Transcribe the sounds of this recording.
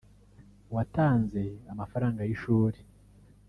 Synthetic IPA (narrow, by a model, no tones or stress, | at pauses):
wataːnze̞amafaɾaːŋɡajiʃuːɾe